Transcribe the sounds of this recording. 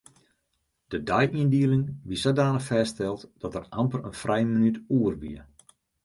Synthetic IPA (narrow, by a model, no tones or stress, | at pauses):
d̥ədajʔiəndiəlɪŋʋisadaːnəfɛːstɛlˠtd̥ɔtərampərənfrʔɛjmənytuərʋḭə